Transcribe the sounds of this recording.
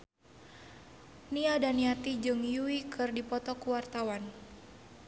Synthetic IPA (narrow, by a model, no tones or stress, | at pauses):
niadaniat̪id͡ʒɨŋjuikʰɨrdipɔt̪ɔkuwart̪awan